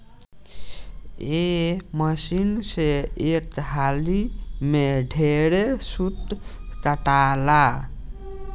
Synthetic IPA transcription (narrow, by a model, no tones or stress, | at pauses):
eməsinseet̪ɦalimeɖʱeɾesut̪kəʈala